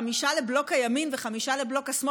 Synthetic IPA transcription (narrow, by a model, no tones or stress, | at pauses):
amiʃaleblo̞khajaminveχamiʃaleblo̞kasm